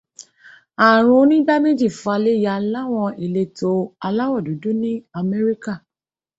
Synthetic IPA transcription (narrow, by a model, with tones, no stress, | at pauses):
a˨ɾ̃ũ˨˦nĩ˦ɡ͡ba˦me˦d͡ʒi˦˨fa˧le˦ja˧˨la˦w̃ɔ̃˧e˨le˧to˧a˧la˦wɔ˦˨du˨˦du˦nĩ˦a˧mɛ˦ɾi˦ka˦˨